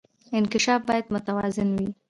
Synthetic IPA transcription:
ɪnkɪʃɑfbɑjad̪mʊt̪awɑzɪnwi

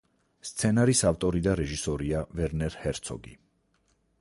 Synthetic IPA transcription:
st̪sʰɛnaɾisaft̪ʼɔɾid̪aɾɛʒisɔɾiavɛɾnɛɾhɛɾt̪sʰɔ̰ɡḭ

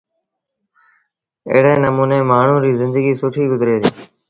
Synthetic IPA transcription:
ɪ̰ːɦɽeːnəmuːneːmaːɳ̤ũːɾiːzɪ̃nd̪əɡiːsʊʈʰiːɡʊzɾeːt̪iː

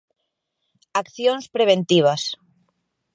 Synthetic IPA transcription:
akθjonspɾeβ̞ẽnt̪iβ̞as

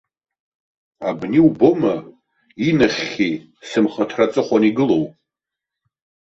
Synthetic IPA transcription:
abniubo̞ma | inaχʲi | sɨmχatʰrat͡sʼɨχʷaniɡɨlo̞wʼ

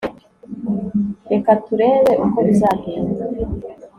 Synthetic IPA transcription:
ɾe̞katuɾe̞ːβe̞ʔuko̞βizaːɡeːnza

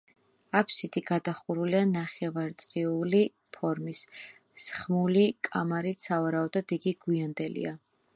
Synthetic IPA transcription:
apʰsit̪ʰiɡad̪aχuɾulianaχɛvaɾt̪sʼqiuli | pʰɔɾmis | sχmulikʼamaɾit̪savaɾaɔd̪ɔd̪iɡiɡwiand̪ɛlḭa

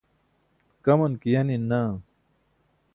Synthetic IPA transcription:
kɐmɐnkijɐnina

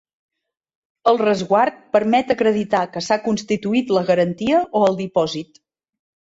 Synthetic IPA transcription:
əlˠrəzɣwart̪̚pəɾmɛt̪əkɾəðit̪akəsakunst̪it̪uit̪ləɣəɾənt̪iəʔoəlˠd̪ipɔzit̪

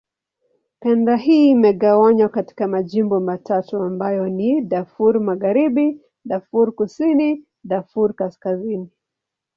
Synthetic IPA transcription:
kɛndaɦiːmɛɠawaɲwakati̥kamaʄimbɔmatatuambajɔniɗafuɾmaɣaɾiɓi | ɗafuɾkusini | ɗafuɾkaskazini

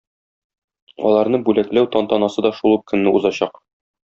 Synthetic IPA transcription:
ɒ̰lˠɑɾnɤbʉlæklæwt̪ɒnt̪ɒnɑsɤd̪ɒʃulˠup̚kɵ̆nːɘuzɑɕɑq

